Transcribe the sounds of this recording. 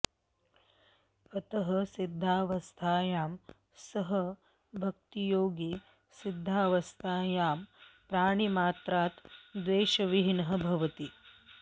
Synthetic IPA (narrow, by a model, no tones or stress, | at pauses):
ɐt̪ɐɦɐsid̪ʱːaːʋɐst̪ʰaːjaːm | sɐɦɐ | bʱɐk̚t̪ijoːɡi | sid̪ʱːaːʋɐst̪ʰaːjaːmpɾaːɳ̃imaːt̪ɾaːt̪d̪ʋeːʃɐʋiɦinɐɦɐ̆bʱɐʋɐt̪i